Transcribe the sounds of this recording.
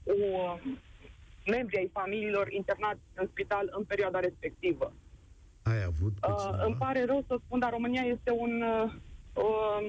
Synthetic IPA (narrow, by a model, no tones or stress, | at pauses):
u | me̞mbɾiajfamiliːlo̞rint̪e̞rnat̪sʲɨnspit̪alɨnpe̞ɾʲioad̪aɾe̞spe̞k̚t̪ivə | ajavut̪̚ɨmpaɾe̞ɾəwsəspund̪aɾo̞mɨnijaje̞st̪e̞un | ə